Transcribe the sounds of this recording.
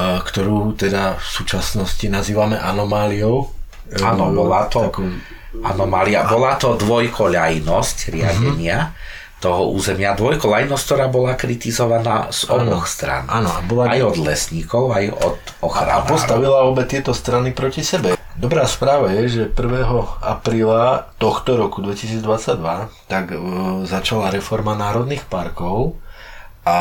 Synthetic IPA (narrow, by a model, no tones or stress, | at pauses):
kt̪ɔɾuːt̪ɛd̪afsuːt͡ʃasnɔscinaziːʋamɛʔanɔmaːliɔʊ | aːnɔbɔlat̪ɔaku | a̰nɔmaːliabbɔlat̪ɔd̪ʋɔjkʰɔʎajnɔscɾɪaɟɛɲɪa | t̪ɔɦɔʔṵːzɛmɪad̪ʋɔjkɔʎajnɔsck̚t̪ɔɾaːbɔlakɾit̪izɔʋana̰ːz̥ɔbɔxst̪ɾa̰nanɔabɔlaajɔd̪lɛsɲiːkɔʊajɔ̰d̪ | ɔxɾa̰npɔst̪aʋilaɔbɛt̪ɪɛt̪ɔst̪ɾanipɾɔcisɛbɛd̪ɔbɾaːspɾaːʋajɛʒɛpr̩ʋɛːɦɔa̰pɾiːlat̪ɔxt̪ɔɾɔkud̪ʋɛcisiːd͡zd̪ʋat͡sːaɟd̪ʋat̪aɡzat͡ʃalaɾɛfɔɾmanaːɾɔd̪niːxpaɾkɔʊ | a